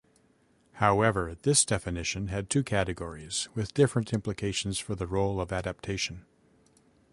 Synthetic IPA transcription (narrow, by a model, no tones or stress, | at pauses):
haʊɛvə˞ðɪsd̥ɛfɨnɪʃɨ̃nɨd̚tʰʉkʰæɾɨɡɔɹiz̥wɨðdɪfɹɨ̃ntʰɪ̃mplɨkʰeɪʃn̩z̥fə˞ðɨɹoʊlˠʌvæɾæp̚tʰeɪʃn̩